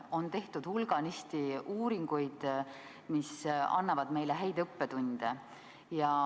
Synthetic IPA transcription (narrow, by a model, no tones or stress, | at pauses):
o̞nt̪e̞ht̪ud̪̥hulɡ̥ɑnist̪iuːɾiŋɡ̥ujd̪̥ | misɑ̰nːɑvɑd̪me̞jleɦæjd̪ɤpːe̞t̪unʲd̪̥e | jɑ